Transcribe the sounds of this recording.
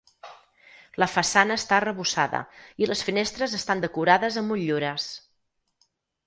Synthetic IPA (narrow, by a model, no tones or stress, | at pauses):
ləfəsanəːst̪aərəβusaðə̰iləsfinest̪ɾəzəst̪and̪əkuɾaðəzəmuʎːuɾəs